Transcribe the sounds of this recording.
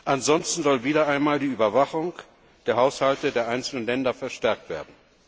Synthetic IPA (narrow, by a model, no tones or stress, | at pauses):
ʔanz̥ɔnstn̩zɔlviːdɐʔaɪnmaːldiːʔyːbɐvaχʊŋ | d̥eːɐɦaʊshaltədeːɐʔaɪnt͡sl̩nənlɛndɐfɛɐʃtɛɐk̚tv̥ḛːɐdn̩